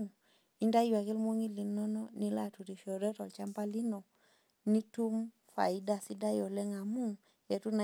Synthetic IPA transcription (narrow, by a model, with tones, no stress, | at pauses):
i˦nda˦jwa˨ke˦lmo˦ŋi˦li˨nɔ˦no˦ni˦la˨tu˨ɾi˨ʃo˨ɾe˦tɔ˨lt͡ʃa˦mpa˦li˦no˨ | ni˦tu˦m | fa̰˨i˦da˨si˦da˦jo˨le˦ŋa˨mu˦ŋ | e˨tu˦na˨